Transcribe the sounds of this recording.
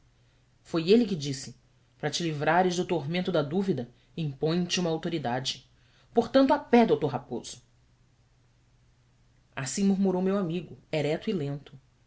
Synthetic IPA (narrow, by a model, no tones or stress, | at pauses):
fojelɪkɪd͡ʒisɪ | pɾɐt͡ʃɪlivɾaɾɪʒd̪ʊt̪oɦmẽnt̪ʊd̪ɐd̪uvid̪ɐ | ĩmpõj̃t͡ʃɪũmɐawt̪oɾid̪ad͡ʒɪ | poɾt̪ɐ̃nt̪ʊapɛd̪owt̪oɾɦapoz̥ʊ | asĩmuɾmuɾowmewamiɡʊɛɾɛt̪ilẽnt̪ʊ